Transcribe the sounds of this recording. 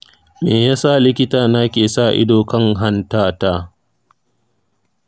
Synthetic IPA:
meː˨jaː˦sa˦˨lɪ˦kʲɪ˦taː˨na˦kʲeː˨sa˦˨ʔɪ̰˦doː˨kɐ˦˨ŋɦa˦ntaː˦taː˦

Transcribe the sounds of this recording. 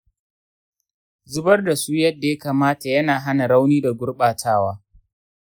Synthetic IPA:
zʊ˦bɐ˦rda˨suː˦jɐ˦dːa˨ja˦kaː˨maː˦ta˨jɐ˦naː˨ɦa˦na˨ɽa˦wniː˦da˨ɡʷʊ˦rɓaː˨tʰaː˦waː˦

